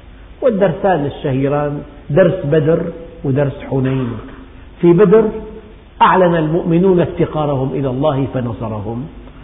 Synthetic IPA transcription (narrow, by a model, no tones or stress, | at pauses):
wɪd̪ːɑɾˤsaːnɪʃːahiːɾaːn | d̪ɑɾˤsbad̪ɾwɪd̪ɑɾˤsħʊnajn | fibad̪ɾ | ʔaʕlanalmʊʔmɪnuːnʔaft̪ɪqɑːɾˤɑhʊmʔɪlalˤːɑːhfanɑsˤɑɾˤɑhʊm